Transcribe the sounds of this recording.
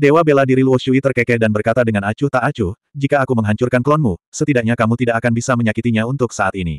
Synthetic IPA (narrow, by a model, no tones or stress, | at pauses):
dewabeladiɾiluwɔʃuit̪ərkɛkɛt̪̚danbərkat̪adəŋanat͡ʃuht̪aʔat͡ʃuh | d͡ʒikaːkuməŋɦaɲt͡ʃurkanklɔnmusət̪idaʔk̚ɲakamut̪idaʔakanbisaməɲakit̪iɲaunt̪ʊksaʔat̪inḭ